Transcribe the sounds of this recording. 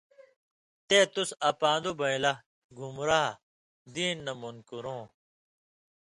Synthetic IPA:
t̪eːt̪usɐpãːnd̪ubɐĩlɐ | ɡʱumɾaː | d̪iːnːɐmunkuɾõː

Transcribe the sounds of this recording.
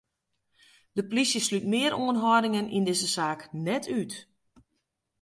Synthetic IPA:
dəplisjəslytmɪəɾoənɦɔdɪŋənʔḭndɪzəsaːknɛtʰyt

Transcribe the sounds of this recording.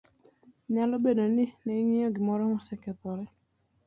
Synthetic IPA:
ɲalɔbenɔnɪnɛiŋĩɔɡimɔɾɔhɔ̃sɛkɛt̪ɔɾɛ

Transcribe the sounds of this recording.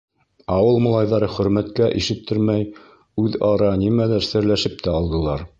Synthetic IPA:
ɑwɤlˠmŏlˠɑjðɑɾɤχɵ̆ɾmæt̪kæʔiʃɘt̪̚t̪ʰːɘ̆ɾmæj | ʉðɑɾɑnimælæɾsɘ̆ɾlæʃɘp̚t̪æɑlˠd̪ɤ̆lˠɑɾ

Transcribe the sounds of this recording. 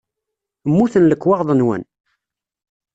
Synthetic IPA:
əmːuθənləkːwɑʁðˤənwə̰n

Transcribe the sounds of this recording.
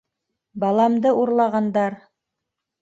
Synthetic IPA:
bɑlˠɑmd̪ɤʔuɾlˠɑʁɑnd̪ɑɾ

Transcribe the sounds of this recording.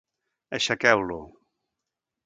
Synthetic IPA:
əʃakɛwlu

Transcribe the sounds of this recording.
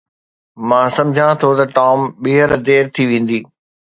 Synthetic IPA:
mãːsɐ̃md͡ʑʱãt̪ʰot̪ɐʈɔːmɓiɦəɾd̪eːɾt̪ʰiʋẽːn̆d̪iː

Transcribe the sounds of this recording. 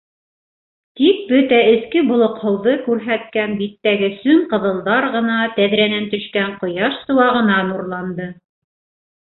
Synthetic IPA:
t̪ik̚bɵt̪æɘ̆θkɘbŏlˠŏqhɤ̆wðɤkʉɾɦæt̪̚kænbit̪ːæɡɘsɵŋqɤ̆ðɤ̆lˠdɑɾʁɤ̆nɑt̪æðɾænænt̪ɵ̆ʃkæɴqŏjɑʃsɤ̆wɑʁɤ̆nɑnuɾlˠɑnd̪ɤ

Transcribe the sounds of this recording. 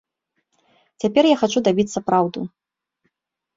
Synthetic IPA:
t͡sʲapʲɛrjaxat͡ʂud̪abʲit̪sːɐpɾawd̪u

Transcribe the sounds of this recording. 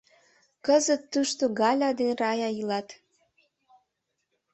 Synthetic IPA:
kəzət̪ːuʃt̪oɡɑlʲɑd̪enrɑjɑilɑt̪

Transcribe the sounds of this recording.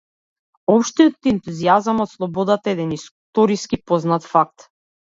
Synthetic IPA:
ɔpʃt̪ijɔt̪ɛnt̪uziazamɔt̪slˠɔbɔd̪at̪aɛd̪ɛnist̪ɔɾiskipɔznat̪fak̚t̪

